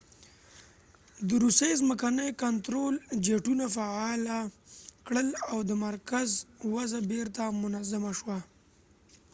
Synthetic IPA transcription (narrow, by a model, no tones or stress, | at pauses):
d̪əɾusejzməkanəjkant̪ɾold͡ʒeʈunafaɑlakɽəlawd̪əmaɾkazwazabeɾt̪amʊnazamaʃwa